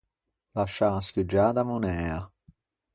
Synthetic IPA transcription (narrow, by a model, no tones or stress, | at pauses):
laʃaskud͡ʒad̪amunɛɐ